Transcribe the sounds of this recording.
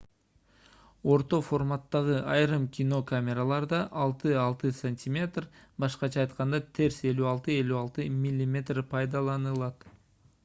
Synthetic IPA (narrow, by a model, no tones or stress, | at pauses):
o̞ɾt̪o̞fo̞rmat̪ːɑʁɯɑjɾɯmkʲino̞kamʲe̞ɾalˠɑɾd̪ɑʔɑlˠt̪ɯɑlˠt̪ɨsɐnʲtʲimʲe̞t̪rbɑʃqɑt͡ʃʰɑːjt̪qɑnd̪ɑt̪ʰe̞ɾse̞lyɑlˠt̪ɯe̞lʲyɑlˠt̪ɯmʲilʲːimʲe̞t̪rpʰɑjd̪ɑlˠɑnɯlˠɑt̪